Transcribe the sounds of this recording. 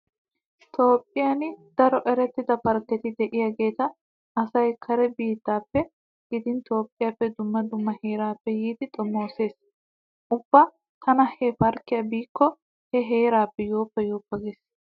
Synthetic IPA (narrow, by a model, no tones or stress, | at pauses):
t̪ʰo̞ːpʼːɪjaːnɪd̪̥ɐɾɔʔɛɾɛt̪ːɪd̪ɐpɐɾkːɛt̪ɪd̪ɛʔɪjaːɡe̞ːt̪ɐ | ɐsɐjkʰɐɾɛbiːt̪ːaːpːɛ | ɡ̥ɪd̪ɪnt̪o̞ːpʼːɪjaːpːɛd̪ʊmːɐd̪ʊmːɐhe̞ːɾaːpːɛjiːd̪ɪt̪ʼɔmːoːse̞ːs | ʔʊb̥ːɐ | t̪ʰɐnɐhɛfɐɾkːɪjɐbiːkːɔ | hɛɦe̞ːɾaːpːɛjo̞ːpːɛjoːpːɐɡeːs